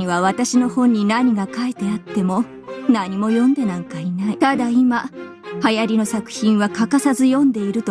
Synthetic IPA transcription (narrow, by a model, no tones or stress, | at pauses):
iβaβat̪aɕino̞hõ̞ɲ̟ːinaɲ̟iɡakaet̪e̞at̪ːe̞mo̞ | naɲ̟imo̞jõ̞nd̪e̞nãŋkainait̪ad̪aima | hajaɾʲino̞sakɯ̟̥çĩɰ̃βakakasazɨjõ̞nd̪e̞iɾɯ̟t̪o